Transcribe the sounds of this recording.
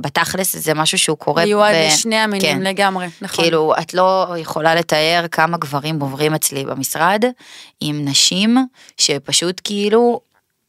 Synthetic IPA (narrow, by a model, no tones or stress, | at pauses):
bet̪aχleszemaʃuʃeukʰo̞ʁejuaʃnejamikenmleɡamʁenaχkiilua̰tlo̞jeχo̞lale̞t̪aje̞ʁkʰamaɡvaʁimovʁimet͡slibḛmisʁad̪imnaʃim | ʃe̞paʃutkiilu